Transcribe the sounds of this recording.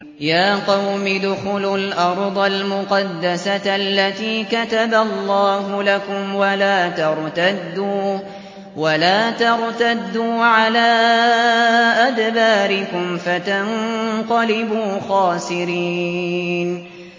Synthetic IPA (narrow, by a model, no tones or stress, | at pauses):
jaːqɑwmɪd̪ʊxʊlʊlʔɑɾˤd̪ˤɑlmʊqɑd̪ːasaʔalːat̪iːkat̪aballˤːɑːɦʊlakʊmwalaːt̪ɑɾˤt̪ad̪uː | walaːt̪ɑɾˤt̪ad̪ːuːʕalaː | ʔad̪baːɾɪkʊmfat̪aŋqɑlɪbuːxɑːsɪɾiː | n